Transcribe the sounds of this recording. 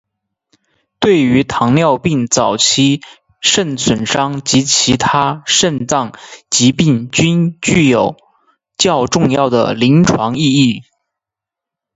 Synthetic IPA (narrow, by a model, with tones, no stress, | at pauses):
t̪we˥˩ɪy˧˥t̪ʰɑ˧˥ŋljɑ˥˧ʊpi˥˩ŋt͡sɑ˨˩ʊt͡ɕʰi˥ | ʂə˥˩nswə˨˩nʂɑ˥ŋt͡ɕi˧˥t͡ɕʰi˧˥t̪ʰa˥ʂə˥˧nt͡sɑ˥˩ŋt͡ɕi˧˥pi˥˩ŋt͡ɕy˥nt͡ɕy˥˩jo˨˩ʊ | t͡ɕjɑ˥˧ʊʈ͡ʂʊ˥˧ŋjɑ˥˩ʊd̪ə̰˩li˧˥nʈ͡ʂʰwɑ˧˥ŋi˥˧i˥˩